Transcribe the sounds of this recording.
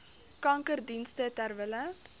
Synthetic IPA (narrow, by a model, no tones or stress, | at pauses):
kɐŋkərdinstətærvələ